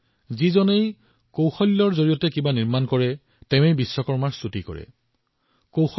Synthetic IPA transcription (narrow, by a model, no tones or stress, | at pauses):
zizɔnej | kowxɔlːɔɹzoɹijɔtɛkibaniɹmankɔɹɛ | tɛʊ̃ejbisːɔkɔɹmaɹstutikɔ̰ɹɛ̰ | kowx